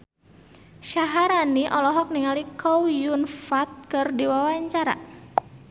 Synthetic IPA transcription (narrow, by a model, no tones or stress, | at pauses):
ʃaɦaɾaniʔɔlɔɦɔk̚niŋalikʰɔwjunfat̪̚kɨrdiwawaɲt͡ʃaɾa̰